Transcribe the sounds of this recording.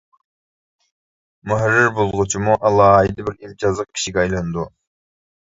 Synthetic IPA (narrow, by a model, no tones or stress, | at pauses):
muɦɾiɾbolˠʁʊt͡ʃʰumuʔɑlˠɑːid̪ɑbiɾild͡ʒɑzəq̚kʲʰi̥ʃiɡʲɛɑjlˠɑnd̪u